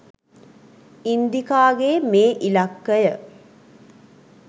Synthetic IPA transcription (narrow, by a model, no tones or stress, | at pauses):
ind̪ikaːɡeːmeːʔilakːəjə